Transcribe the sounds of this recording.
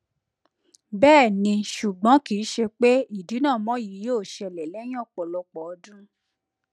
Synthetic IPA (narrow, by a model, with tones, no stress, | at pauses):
bɛː˦˨nĩ˧ʃu˨ɡ͡bɔ̃˨˦ki˨˦ʃe˧k͡pe˦i˦˨di˨˦nã˦˨mɔ̃˨˦ji˨˦joː˦˨ʃɛ˧˨lɛ˨lɛ˨˦j̃ɔ̃˦˨k͡pɔ˨lɔ˧k͡pɔ˨ɔ˧˦dũ˦